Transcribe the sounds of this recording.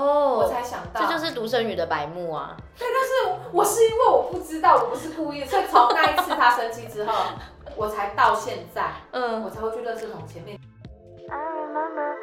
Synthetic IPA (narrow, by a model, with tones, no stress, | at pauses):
ɔ˥˩wɔ˨˩t͡sʰa˧˥ɪɕjɑ˨˩ŋt̪ɑ˥˧t͡ɕjo˥˧ʊʂ̬ɻ̩˥˩t̪u˧˥ʂə˦˥nny˨˩d̪ə˦pa˨˩˦ɪmu˥˩ɐ̰˩ | t̪we˥˩ɪt̪a˥˧ʂɻ̩˥˩wɔ˨˩ʂɻ̩˥˩i˦˥nwe˥˩ɪwɔ˨˩pu˥˩ʈ͡ʂɻ̩˥t̪ɑ˥˩ʊwɔ˨˩pu˧˦ʂɻ̩˥˧ku˥˧i˥˩˨swo˥˩t͡sʰo˧˦ŋna˥˧˥i˥t͡sʰɹ̩˥˩˥t̪ʰa˥ʂə˧˥nt͡ɕi˥ŋʈ͡ʂɻ̩˥xo˥˩ʊ | wɔ˨˩t͡sʰa˧˥ɪt̪ɑ˥˧ʊɕjɛ˥˧nt͡sa˥˩ɪ˥˩wɔ˨˩t͡sʰa˧˦we˥˩t͡ɕɥɛ˧˥d̪ə˨˧ʈ͡ʂɤ˥˩tʰʊ˨˩ŋt͡ɕʰjɛ˧˦nmjɛ˥˧˩